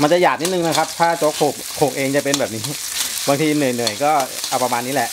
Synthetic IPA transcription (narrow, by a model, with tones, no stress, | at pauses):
ma˧nt͡ɕa˨˩jaː˨˩k̚ni˦˥t̪nɯ˨˧ŋna˦˥kʰa˦˥p̚t̪ʰaː˥˩t͡ɕo˦˥k̚ʰoː˨˩k̚ʰːoː˨˩k̚ʔeː˧ŋt͡ɕa˨˩pe˧nbɛː˨˩p̚niː˦˥ | baː˧ŋt̪ʰiː˧nɯ˨˩əjnɯ˨˩əjkɔː˥˩ʔa˧wpɾa˧maː˧nːiː˦˥lɛ˨˩ʔ